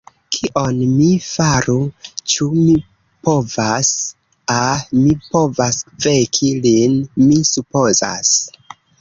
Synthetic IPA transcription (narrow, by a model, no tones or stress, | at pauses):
kʰiʔo̞nmifaɾut͡ʃumi | po̞vas | amipo̞vasvekʰilinmisupo̞za̰s